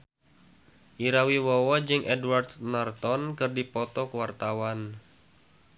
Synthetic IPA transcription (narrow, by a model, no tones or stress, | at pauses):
ʔiɾawiwɔwad͡ʒɨŋʔɛdwart̪nart̪ɔnkɨrdipɔt̪ɔkəwart̪awan